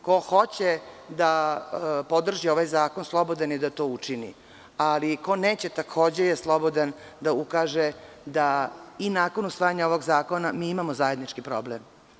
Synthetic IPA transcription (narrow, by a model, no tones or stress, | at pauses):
ko̞xo̞t͡ɕed̪a | pod̪r̩ʒio̞ʋajzaːko̞nslˠo̞bo̞d̪anjed̪at̪o̞ːut͡ʂinḭ | aliko̞neːt͡ɕet̪akʰo̞ːd͡ʑejeslˠobod̪an | d̪aukaːʒed̪ainaːko̞nusʋaːjaɲaoʋo̞ɡzaːko̞namiːimamozajed̪nit͡ʂkipɾoblem